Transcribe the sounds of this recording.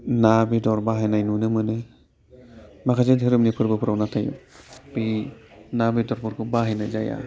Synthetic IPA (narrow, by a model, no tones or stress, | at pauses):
nabidɔɾbaɦajnajnunɯmɯnɯ | makʰazɯt̪ɦiɾɯmnipʰɯɾbɯpʰɾownat̪ʰajṵpinabidɔɾbuɾkubaɦajnajd͡ʒaja̰